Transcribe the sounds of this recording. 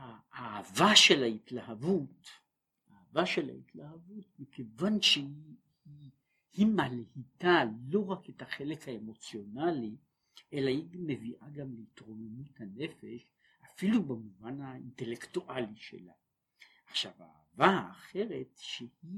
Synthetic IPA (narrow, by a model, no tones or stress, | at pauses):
haaːvaʃe̞laitlahavut | aːvaʃe̞la̰itlahavut̚mikevanʃe | hi | himalhitalo̞ʁaketaχe̞lekhaemo̞t͡sjo̞nali | ʔe̞lahiɡmeviʔaɡamleitʁonomithane̞fe̞ʃ | afilubamuvanainte̞le̞ktuʔaliʃḛla̰ | aχʃava̰avaːχe̞ʁe̞tʃehi